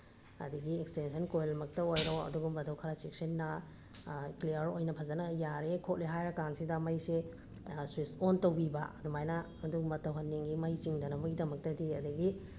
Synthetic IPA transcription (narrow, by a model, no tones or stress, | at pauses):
ɐ̰diɡiekstensɐnkojlɐmɐk̚tɐojɾoɐ̰duɡumbɐdɐwkʰɐɾat͡ʃek̚sɐnːɐ | kliɐɾojnɐpʰɐzɐnɐjaɾekʰot̚liɦajɐkansidɐmɐjse | swisontɐwbibɐɐdumajnɐ | ɐduɡumɐtɐwɦɐnːeŋɡimɐjt͡ʃiŋdɐnɐmɐɡidɐmɐk̚tɐdiɐdɐɡi